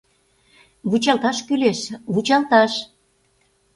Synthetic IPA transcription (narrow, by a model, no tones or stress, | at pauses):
βut͡ɕɑlt̪ɑʃkyleʃβut͡ɕɑlt̪ɑʃ